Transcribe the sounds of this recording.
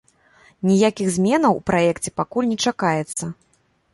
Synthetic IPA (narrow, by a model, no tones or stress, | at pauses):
nʲijakʲiɣzʲmʲɛnɐwupɾajɛkt͡sʲɛ̥pakulʲnʲɛt͡ʂakajɛt̪sːɐ